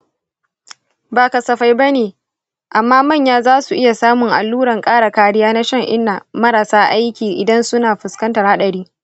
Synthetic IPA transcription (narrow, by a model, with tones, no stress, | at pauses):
baː˨kɐ˨sɐ˨ɸa˦jba˦neː˨ | ʔa˨mːaː˦mɐ˦˨ɲjaː˦zaː˦su˨ʔɪ˦ja˨saː˦mʊ˨ŋʔa̰˨lːuː˦ɽɐ˨ŋkʼaː˦ɽa˨kaː˦ɽɪ˦jaː˦na˦ʃɐ˦ŋʔɪ˦nːa˨mɐ˦ɾa˨saː˦ʔa˦jkʲiː˨ʔɪ˨dɐ˦nsʊ˦naː˨ɸʊ˨skɐ˦ntɐ˨rha˦ɗɐ˨ɽiː˦